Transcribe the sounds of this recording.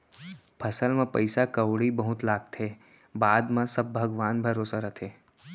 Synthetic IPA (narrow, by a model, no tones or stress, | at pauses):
pʰɐsəlmẽpɐɪsakɐwɽibɐɦʊt̪laːɡ̚t̪ʰeː | baːd̪mãsɐb̚ːʱɐɡʋaːnbʱɐɾoːsaɾɐt̪ʰeː